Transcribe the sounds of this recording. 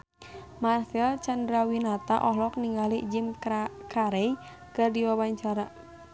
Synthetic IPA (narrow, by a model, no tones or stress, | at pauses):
marsɛlt͡ʃandɾawinat̪a̰ʔɔɦlɔk̚niŋɡalid͡ʒimkʰaɾɛj | kɨrdiwawaɲt͡ʃaɾa